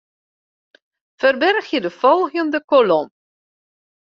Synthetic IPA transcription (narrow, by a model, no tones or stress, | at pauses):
fərbɛrxjədəfɔlˠɣəndəkolɔm